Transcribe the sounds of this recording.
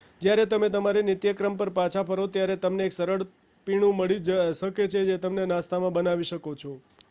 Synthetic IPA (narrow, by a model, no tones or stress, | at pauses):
d͡ʒjaɾet̪əmet̪əmaɾinɪt̪jəkɾəmpəɾpãt͡ʃʰapʰəɾot̪jaɾet̪əmneːksəɾəɭ | piɳ̃ũməɭid͡ʒʃəket͡ʃʰed͡ʒet̪əmnenãst̪amãbənaʋiʃəkot͡ʃʰo